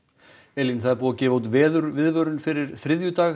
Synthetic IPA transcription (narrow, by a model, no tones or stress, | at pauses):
ɛlinθaðpuːacɛːvawt̪vɛːðʏɾvɪðvœːɾʏnfɪɾɪɾ̥θɾɪðjʏt̪aːx